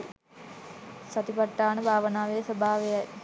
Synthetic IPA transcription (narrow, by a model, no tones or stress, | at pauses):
sat̪ipaʈːaːnəbʱaːʋənaːʋejsobʱaːʋejaj